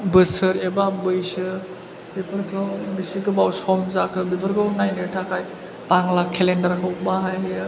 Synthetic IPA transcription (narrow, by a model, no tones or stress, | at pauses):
bɯsɯɾebabɯjsɯ | bepʰɯɾkʰɯwbisikɯbawsɔmzakʰɯbepʰəɾkʰɯwnajnɯtʰakʰaj | paŋlakʰːelendɐɾkʰɯw̚baɦaje